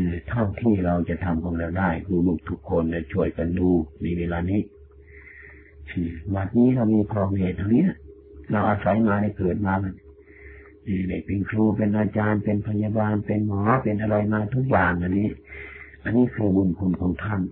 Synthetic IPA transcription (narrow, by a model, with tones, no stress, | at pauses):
ɯː˧˩t̪ʰa˧˥˩ŋt̪ʰiː˧˩˨ɾa˧wt͡ɕa˧t̪ʰa˧mkʰɔː˧ŋɾa˧wdaː˧˩jkʰluː˧˩lu˧˩k̚t̪ʰu˦˥kʰːo˧nda˧˩t͡ɕʰu˧˩əjka˨nduː˧na˧jweː˧laː˧niː˦˧˥ | siː˧˩ma˧˩t̪̚niː˧˥˨la˧wmiː˧pʰɾɔː˧˩meː˧˩t̪̚ːa˧ni˦˥˨ | la˧wʔaː˧sa˨˦jmaː˧da˧˩˨jkɤː˨˩t̪̚maː˧ka˧n | ʔeː˧˩da˧˩jpe˧nkʰluː˧pe˧nʔaː˧t͡ɕaː˧npe˧npʰa˧ɲa˧baː˧npe˧nmɔː˨˦pe˧nʔa˧ɾa˧jmaː˧t̪ʰu˦˥k̚jaː˨˩ŋʔa˧nːiː˦˧˥ʔa˧nːiː˦˧˥kʰɯː˧bu˧˨nkʰu˧˨nkʰɔː˨˦ŋt̪ʰa˧˥˨n